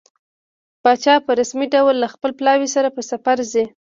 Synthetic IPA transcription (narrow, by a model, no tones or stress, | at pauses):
pɑt͡ʃɑpəɾasmiɖawlːaxpəlplɑwisaɾapəsafaɾzi